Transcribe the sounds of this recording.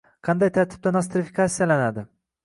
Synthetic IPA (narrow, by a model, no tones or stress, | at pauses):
qʰɑnd̪ajt̪ʰaɾt̪ʰɪb̚d̪anas̬t̪ɾɪfikʰat̪sːijalanad̪ɪ